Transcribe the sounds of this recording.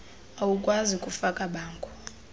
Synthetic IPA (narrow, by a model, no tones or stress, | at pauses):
awukʼwazikʼufakʼaɓaːŋkʼʰu̥